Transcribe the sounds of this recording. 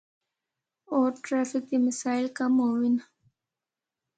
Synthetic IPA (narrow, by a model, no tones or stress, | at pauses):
oʈɾafɪk̚d̪imɪsaːɪlkamowin